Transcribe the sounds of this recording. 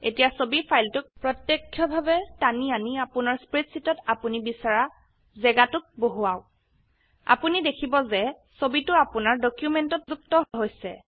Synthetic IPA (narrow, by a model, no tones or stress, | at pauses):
etijasobipʰajltʊk̚pɹɔtjekʰːjɔbʱabɛtanianiapʊnaɹspɹitsitɔtapunibisaɹa | zɛɡatʊk̚boɦuaʊ | a̰punidekʰibɔzɛ | sobitʊapʊnaɹdɔkjumɛntɔtzuktɔɦɦojsɛ̰